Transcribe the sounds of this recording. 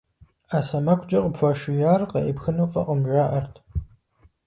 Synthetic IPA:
aːsɐmɐkʷʰd͡ʒɐqəpfʷaːʃɪjaːrqɐʔɪpxɨnuwfɐqəmʒaːʔɐrtʰ

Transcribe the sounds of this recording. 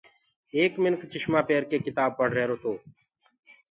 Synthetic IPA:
eːkmɪnkt͡ʃɪʃmaːpeːɾkeːkɪt̪aːb̚pəɽ̤ɾɛɦeɾoːt̪oː

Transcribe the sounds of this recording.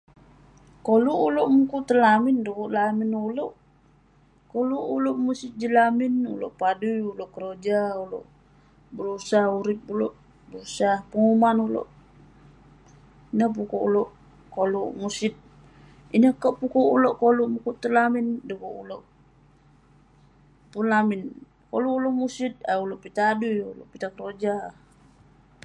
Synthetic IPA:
koluʔuloʔmukuʔt̪ərlamindukuʔlaminuloʔ | koluʔuloʔmusɪt̪̚d͡ʒəlaminṵlo̰ʔpadujuloʔkəɾod͡ʒaulo̰ʔ | bəɾusahuɾip̚uloʔ | bəɾusahpəŋumanulo̰ʔ | inap̬ukuṵlɔʔ | kolumusit̪̚ | inakaʔpukɔulɔʔkoluʔmukuʔt̪əlamindukuulɔʔ | punlamin | koluːlɔʔmusit̪̚a̰ulɔʔpit̪adujṵlɔ̰ʔpit̪akəɾod͡ʒa

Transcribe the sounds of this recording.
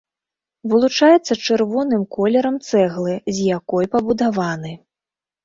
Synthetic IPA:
vɨlˠut͡ʂajɛt̪sːɐt͡ʂɨrvɔnɨmkɔlʲɛɾɐmt̪sɛɣlˠɨzʲjakɔjpɐbud̪avanɨ

